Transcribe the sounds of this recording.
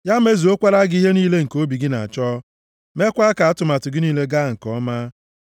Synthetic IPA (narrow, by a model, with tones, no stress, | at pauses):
ja˦me˦zi˨o˦kʷa˦ɾa˦ɡɪ˦i˦ɦe˦niː˦le˦ŋ̩˨ko˦bi˨ɡɪ˦na̰˨a˨t͡ʃɔː˦ | me˦kʷa˦ka˨a˦tʊ˨ma˨tʊ˨ɡɪ˦niː˦le˦ɡa˦˨ŋ̩˨kɔ˦ma˦